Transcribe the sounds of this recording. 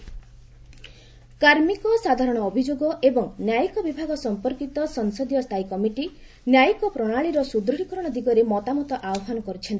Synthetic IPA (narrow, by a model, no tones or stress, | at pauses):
kaɾmikɔsad̪ʱaɾɔɽ̃ɔːbʱid͡ʒoɡɔʔebɔŋnjajikɔbibʱaɡɔsɔmpɔɾkit̪ɔsɔŋsɔd̪ijɔst̪ʰajkɔmiʈi | njajikɔpɾɔɽ̃aɭiɾɔsud̪ɾɔɽikɔɾɔɽ̃ɔd̪iɡɔɾemɔt̪amɔt̪ɔʔawɔɦanɔkɔɾut͡ʃʰɔnt̪i̥